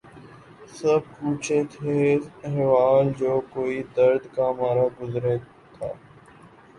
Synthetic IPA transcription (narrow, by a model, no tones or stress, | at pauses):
səb̚kuːt͡ʃet̪ʰeɦɛːʋaːnd͡ʒoːkoːid̪əɾd̪kamaːɾaɡʊzɾeː | t̪ʰaː